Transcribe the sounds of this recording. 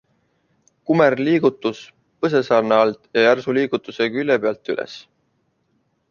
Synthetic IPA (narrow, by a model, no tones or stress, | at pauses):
kumerliːɡ̥ut̪ːˑus | pɤs̬e̞sɑːrneɑlt̪jɑjærsuliːɡ̥ut̪ːˑuse̞kylʲːepeɑlt̪ːˑylʔḛs